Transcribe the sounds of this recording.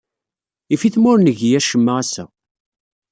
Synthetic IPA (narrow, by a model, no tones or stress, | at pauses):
ifiθmʊɾnəʝjæʃəmːaæsæ̰